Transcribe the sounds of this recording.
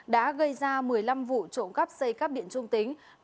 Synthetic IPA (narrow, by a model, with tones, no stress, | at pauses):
ɗa̰ː˧˥ɣə˧jzaː˧mɨ˨˩əjla˧mvṵ˧˨t͡ɕo̰˧˨nkə˦˥p̚sə˧jka˦˥p̚ɗḭ˧˨ənt͡ɕʊ˧ŋ͡mt̪ï˨˦ŋ̟